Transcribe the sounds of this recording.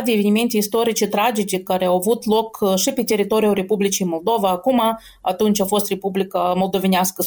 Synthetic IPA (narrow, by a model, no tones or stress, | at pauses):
d̪eevenʲime̞nt̪ʲeist̪o̞ɾit͡ʃet̪ɾad͡ʒet͡ʃekːaɾeawavut̪lo̞kʃipet̪e̞ɾit̪o̞ɾijuɾe̞publit͡ʃijmolˠd̪o̞vaːkuma | at̪unt͡ʃʲafo̞st̪re̞publikamolˠd̪o̞venʲɪaskə